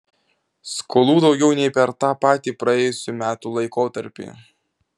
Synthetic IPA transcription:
skʰoːlˠuːd̪ɒʊɡʲɛʊnʲɛɪpʲɛɾt̪ɑːpɑːt̪ʲiːpɾɐɛːjʊsʲumʲæːt̪uːlˠɐɪkoːt̪ɐɾʲpʲḭː

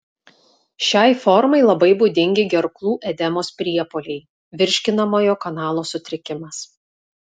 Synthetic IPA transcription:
ʃʲɛˑɪfɔɾmɐɪlˠɐbɐɪbud̪ʲɪŋʲɡʲɪɡʲɛɾklˠuːʔɛd̪ʲɛmoːspʲɾʲiɛpoːlʲɛɪ | ʋʲɪɾʲʃʲkʲɪnɐmoːjoːkɐnɑːlˠoːsʊt̪ʲɾʲɪkʲɪmɐs

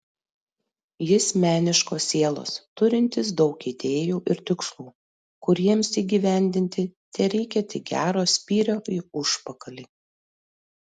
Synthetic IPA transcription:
jɪsmʲæːnʲɪʃkoːsʲːeɛlˠo̰st̪ʊɾʲɪnʲt̪ʲɪs̬d̪ɒʊkiːd̪ʲeːjuːʔɪɾt̪ʲɪkslˠuː | kʊɾʲiɛmsiːɡʲiːʋʲæˑnʲd̪ʲɪnʲt̪ʲɪt̪ʲɛɾʲɛɪkʲɛt̪ʲɪɡʲæ̰ːɾoːsʲpʲiːɾʲoːɪʊʃpɐkɐlʲiː

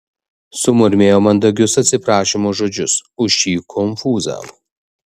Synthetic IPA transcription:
sʊmʊɾʲmʲeːjoːmɐnd̪ɐɡʲʊsɐt̪ʲsʲɪpɾɑːʃʲɪmoːʒoːd͡ʒʲʊsʊʃʲiːkʰɔnfuːzɑ̰ːʋo

